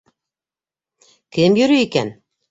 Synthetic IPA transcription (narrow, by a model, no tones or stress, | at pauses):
kɘmjɵ̆ɾyikæn